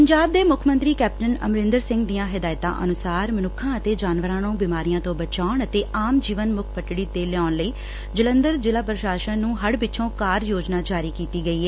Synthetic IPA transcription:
pəɲd͡ʒaːb̚d̪eːmʊkʰmə̃nt̪ɾiːkɛːp̚ʈənə̰mɾɪ̃nd̪əɾsɪ̃ŋɡd̪ijãːɦɪd̪aːɪt̪ã̰ːʔə̰nʊsaːɾmənʊkʰːãːət̪eːd͡ʒaːnʋəɾãːnõːbiːmaːɾijãːt̪õːbət͡ʃaːɳət̪eːʔaːmd͡ʒiːʋənmʊkʰpəʈɽiːd̪eːlɪaːnləiː | d͡ʒələ̃nd̪əɾd͡ʒɪlaːpɾəʃaːʃənnũːɦəɽbɪtːʃʰõːkaːɾjoːd͡ʒnaːd͡ʒaːɾiːkiːt̪iːɡəiːɦɛː

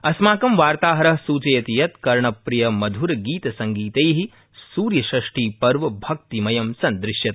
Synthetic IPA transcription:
ɐsmaːkɐmʋaːɾt̪aːɦɐɾɐɦsuːt͡ʃɐjɐt̪ijɐt̪kɐɾɳɐpɾijɐmɐd̪ʱuɾɐɡiːt̪ɐsɐŋɡiːt̪ejɦi | suːɾjɐʃɾɐʂʈiːpɐɾʋɐbʱɐk̚t̪imɐjɐmsɐnd̪ɾɪʃjɐt̪̚

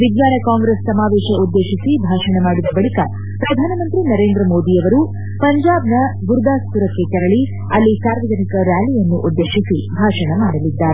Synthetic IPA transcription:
ʋid̪jaːnɐkaːŋɡɾesːɐmaːʋeːʃɐud̪ːeːʃisibʱaːʃɐɳɐmaːɽid̪ɐbɐɭikɐ̰ | pɾɐd̪ʱaːnɐmɐnt̪ɾinɐɾe̞ːnd̪ɾɐmo̞ːd̪iɐʋɐɾu | pɐɲd͡ʒaːbnɐɡuɾd̪ʱaːst̪uɾɐkːe̞t͡ʃɛɾɐɭi | ɐlːisaːɾʋɐd͡ʒɐnikɐɾjaːlijɐnːuʔud̪ːeːʂisibʱaːʂɐɳɐmaːɽɐlid̪ːaːɾe

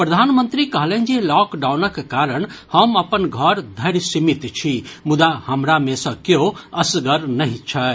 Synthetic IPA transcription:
pɾəd̪ʱanmənt̪ɾikəɦlend͡ʒelɔkɖawnəkːaɾəɳhəməpənɡʱəɾd̪ʱəɾsimit̪t͡ʃʰimud̪ahəmɾamesə̃kjeoəsɡəɾnəɦĩt͡ʃʰə

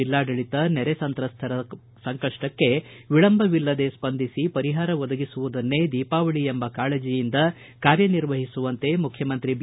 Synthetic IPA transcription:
ilːaːɖɐɭit̪ɐnɛɾesɐnt̪ɾɐst̪ʰɐɾɐ | sɐŋkɐʂʈɐkːe̞ʋiɭɐmbʱɐʋilːɐd̪e̞spɐnd̪ʱisipɐɾiɦaːɾɐʋɔd̪ɐɡisuʋud̪ɐnːe̞d̪iːpaːʋɐɭiembɐkaːɭeːd͡ʒijind̪ɐ | kaːɾjɐniɾʋɐɦisuʋɐnt̪e̞mukʰːjɐmɐnt̪ɾib

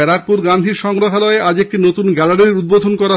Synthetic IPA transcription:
ɛɾak̚puɾɡand̪ʱiɾʃɔŋɾoɦalɔeʔad͡ʑek̚ʈinot̪unɡɛlaɽeɾɾud̪̚bod̪ʱonkɔɾa

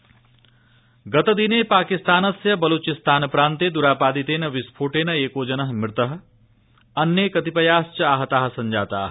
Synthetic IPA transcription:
ɡɐt̪ɐd̪ineːpaːkist̪aːnɐsjɐbɐloːt͡ʃist̪aːnpɾaːnt̪eːd̪uɾaːpaːd̪it̪eːnɐʋispʰoːʈeːnɐeːkoːd͡ʒɐnɐɦmɪɾt̪əɦ̆ | ɐnjekɐt̪ipɐjaːst͡ʃɐaːɦɐt̪aːɦsɐɲd͡ʒaːt̪a̰ːɦ

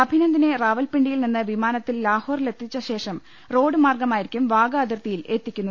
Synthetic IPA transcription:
ɐbʱinɐnd̪ine̞raːʋɐlpiɳɖijilninːɨʋimaːnɐt̪ːillaːhoːrle̞t̪ːit͡ɕːɐɕe̞ːʂɐm | ro̞ːɽɨmaːrɡɐmaːjiɾikʲːumʋaːɡɐɐd̪irt̪ijile̞t̪ːikʲːunːu

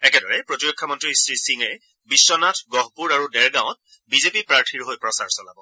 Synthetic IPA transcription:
ɛkɛdɔɹɛpɹotiɹɔkʰːɔmɔntɹistɹisiŋɛ | bisːɔnatʰɡɔɦpuɹaɹudɛɹɡãw̃ɔt̚ | bizepipɹaɹtʰiɹɦojpɹɔsa̰ɹsɔlabɔ

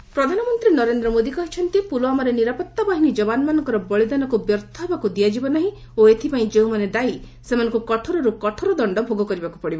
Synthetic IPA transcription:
pɾɔd̪ʱanɔmɔnt̪ɾinɔɾend̪ɾɔmod̪ikɔɦit͡ʃʰɔnt̪ipuloamaɾeniɾapɔt̪ːabaɦinid͡ʒɔbanmanɔŋkɔɾɔbɔɭid̪anɔkubjɔɾt̪ʰɔɦebakud̪iad͡ʒibɔnaɦĩ | oet̪ʰipaĩd͡ʒeũmaned̪ai | semanɔ̃ŋkukɔʈʰɔɾɔɾukɔʈʰɔɾɔd̪ɔɳɖɔbʱoɡɔkɔɾibakupɔɽibɔ

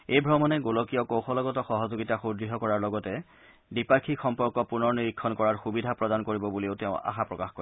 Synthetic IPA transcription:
ejbʱɹɔmɔnɛɡolɔkijɔkowxɔlɔɡɔtɔxɔɦɔzoɡitaxudɹiɦɔkɔɹaɹlɔɡɔtɛ | dipaɹkʰixɔmpɔɹkɔpunɔɹniɹikʰːɔnkɔɹaɹxubidʱapɹɔdankoɹibɔbulioteʊ̃a̰xapɹɔkaxkoɹ

